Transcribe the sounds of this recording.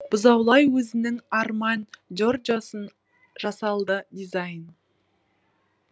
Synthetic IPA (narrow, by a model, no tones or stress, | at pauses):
b̥ʊzɑwlˠɑjwɵzɪnɪŋɑɾmɑnd͡ʒord͡ʒosən | ʒ̥ɑsɑlˠd̪əd̪izɑjn